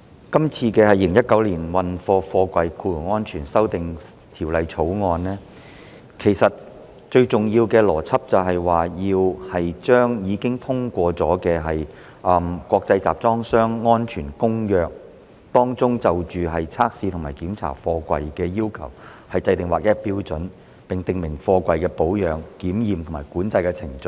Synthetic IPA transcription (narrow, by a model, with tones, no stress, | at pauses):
kɐ˥mt͡sʰiː˧kɛː˧hɐ˨ji˧lɪ˨ŋjɐ˥t̚kːɐ˨˧˥wliː˨˩nwɐ˨nfɔː˧fɔː˧kʷɐ˧jkʰuː˧lʊ˨˩ŋɔː˥nt͡ʃʰyː˨˩nsɐ˥wt̪ɪ˨ŋ | t̪ʰiː˨˩wlɐ˨jt͡sʰo˨˥wŋɔː˧nlɛː˥ | kʰe˨˩jsɐ˨t̚ | t͡ʃɵ˧ɥt͡sʊ˨ŋjiː˧wkɛː˧lɔː˨˩t͡sʰɐ˥p̚t͡sɐ˨wɦɐ˨jwaː˨jiː˧whɐ˨jt͡ʃœː˥ŋjiː˨˧kɪ˥ŋt̪ʰʊ˥ŋkʷɔː˧t͡sɔː˨˥kɛː˧ɦɐ˨j | ʔɐː˨˩mkʷɔː˧k̚t͡sɐ˧jt͡sa̰ː˨p̚t͡sɔː˥ŋsœː˥ŋːɔː˥nt͡ʃʰyː˨˩nkʊ˥ŋjœː˨˧k̚ | t̪ɔː˥ŋt͡sʊ˥ŋt͡sɐ˨wt͡ʃyː˨ɦɐ˨jt͡sʰaː˥k̚siː˧t̪ʰʊ˨˩maː˨˩kiː˨˥mt͡sʰa̰ː˨˩fɔː˧kʷɐ̰˨jkɛː˧jiː˥wkʰɐ˨˩w | hɐ˨jt͡sɐ˧jt̪ɪ˨˩ŋwaː˨k̚jɐ˥piː˥wt͡sɵ˨˥n | pɪ˨ŋt̪ɪ˨ŋmɪ˨˩ŋfɔː˧kʷɐ˨˧jkɛː˧po˨˥wjœː˨ŋkiː˨˥mjiː˨˩mt̪ʰʊ˨˩maː˨˩jkuː˨˥nt͡sɐ˧jkɛː˧t͡sʰɪ˨˩ŋt͡sɵ˨˧